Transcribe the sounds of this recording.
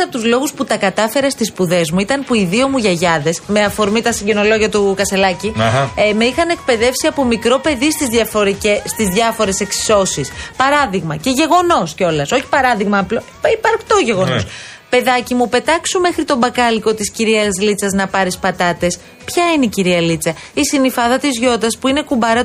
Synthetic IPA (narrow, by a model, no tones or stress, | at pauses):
ɐt̪uzlo̞ɣusput̪ɐkɐt̪ɐfe̞ɾɐst̪ispuðe̞zmuit̪ɐnpuiðio̞muʝɐʝɐðe̞sme̞ɐfo̞ɾmit̪ɐsiɟeno̞lo̞ʝiɐt̪ukɐst̪e̞lɐcimeixɐnekpe̞ðe̞fsiɐpomikɾo̞pe̞ðist̪izðʝɐfo̞ɾicest̪izðʝɐfo̞ɾe̞se̞ksi̥so̞sispɐɾɐðiɣmɐce̞ʝe̞ɣo̞no̞sceo̞lɐso̞çi̥pɐɾɐðiɣmɐːplo | ipɐɾkt̪oʝe̞ɣo̞nos | pe̞ðɐcimupe̞t̪ɐksume̞xɾit̪o̞mbɐkɐliko̞t̪isciɾiɐzlit͡sɐznɐpɐɾispɐt̪ɐt̪e̞s | pçɐineiciɾiɐlit͡sɐ | isinifɐðɐt̪izʝo̞t̪ɐspuine̞kumbɐɾɐ